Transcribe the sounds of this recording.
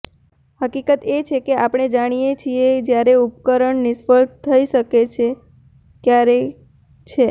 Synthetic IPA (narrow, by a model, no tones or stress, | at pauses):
həkikət̪et͡ʃʰekeapɽ̃ed͡ʒaɽ̃ijet͡ʃʰied͡ʒjaɾeupkəɾəɳnɪʃfəlt̪ʰːəiʃəket͡ʃʰe | kjaɾe | t͡ʃʰe